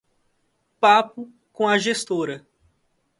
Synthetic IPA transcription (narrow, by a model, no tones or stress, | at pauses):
papʊ | kõɐʒest̪oɾɐ